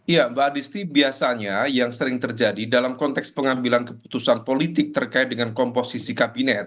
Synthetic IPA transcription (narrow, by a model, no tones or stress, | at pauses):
jambaːdist̪ibiasaɲajaŋsəɾɪŋt̪ərd͡ʒadidalamkɔnt̪ɛkspəŋambilankəpu̥t̪usanpolit̪ɪk̚t̪ərkaɪt̪̚dəŋankɔmposisikabinɛt̪̚